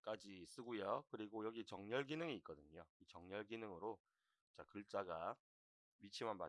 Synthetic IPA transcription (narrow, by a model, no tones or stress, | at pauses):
k͈ad͡ʑis͈ɯɡujʌkɯɾiɡojʌɡit͡ɕʌŋɲʌɭɡinɯŋiːt̚k͈ʌdɯɲoit͡ɕʌŋɲʌɭɡinɯŋɯɾo | t͡ɕakɯɭt͡ɕ͈aɡa | mit͡ɕʰimanma̰